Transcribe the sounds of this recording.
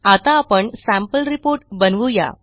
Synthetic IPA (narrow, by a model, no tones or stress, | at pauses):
at̪aːpəɳsæ̃mpəlɾipoɾʈbənʋuja̰